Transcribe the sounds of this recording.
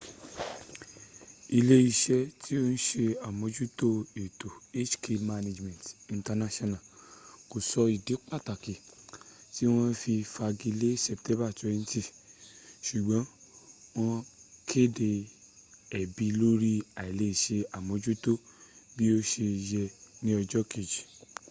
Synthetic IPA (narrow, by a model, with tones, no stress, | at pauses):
i˧le˦i˦˧˨ʃɛ˧tʰi˦o˦n̩˦ʃe˧a˨mõ˨˧˦d͡ʒu˦to˦e˨to˨e˦t͡ʃkʰe˧ma˧ne˧d͡ʒmɛ̃˨n˨tĩ˨nta˧na˦ʃɔ˦nã˨ko˨sɔ˧i˨de˨˦k͡pa˦˨ta˨ki˨ti˨˦w̃ɔ̃˧fi˧fa˧ɡi˧le˦sɛ˨ptɛ̃˨˦ba˦˨tu˨˦ɛ˦˧n̩˦ti˦˨ | ʃu˨ɡ͡bɔ̃˨˦w̃ɔ̃˧kʰe˦˨de˧ | ɛ˨bi˨˧lo˦ɾi˦a˨i˨le˧˦i˨ʃe˧a˨mõ˨˦d͡ʒu˦to˦˨bi˦o˦ʃe˧jɛ˧nĩ˦ɔ˧d͡ʒɔ˦kʰe˨d͡ʒi˨